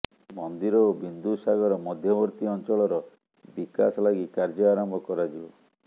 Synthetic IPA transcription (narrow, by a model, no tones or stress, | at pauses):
mɔnd̪iɾɔobind̪usaɡɔɾɔmɔd̪ʱjɔbɔɾt̪iɔnt͡ʃɔɭɔɾɔ | bikasɔlaɡikaɾd͡ʒɔaɾɔmbʱɔkɔɾad͡ʒiɔ